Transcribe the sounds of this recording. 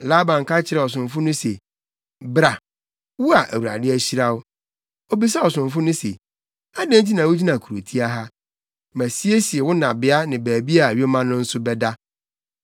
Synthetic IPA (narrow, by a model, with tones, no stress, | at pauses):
la˦bã˨ŋ˨kʰa˦t͡ɕʰɪ˦ɾɛ˨ɔ˨s̬ʊ̃˨ɱ˨fʊ˦nʊ̃˦se˨ | bɾa˨ | wu˦a˨ʔæ˨wu˨a̰˨dɪ˦æ˦ɕi˦ɾa˦wʊ˦ | o˦bi˦s̬a˦ɔ˨sʊ̃˨ɱfʊ˦nʊ̃˦sḛ˨ | a˦dã˦nt͡ɕi˦nã˨wʊ˦d͡ʑi˦nã˨kʰu˨ɾo̰˨tʰi˦a˦ɦa˦ | mæ̃˨si˦e˦si˨e˨wʊ˦nã˨bɪ˦a˦nɪ̃˨bæː˨bi˦a˦˨ɥe˦mã˦nʊ̃˦n̩˦sʊ˦bɛ˦da˦